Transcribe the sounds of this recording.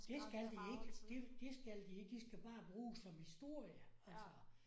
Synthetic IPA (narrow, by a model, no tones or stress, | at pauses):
d̥e̝sɡ̥æld̥ie̝ɡ̥əd̥ed̥esɡ̥æld̥ie̝ɡ̥d̥isɡ̥æb̥ɑ̈ːb̥ʁuːsɒ̽mhisd̥o̝ɐ̰jəælsɒ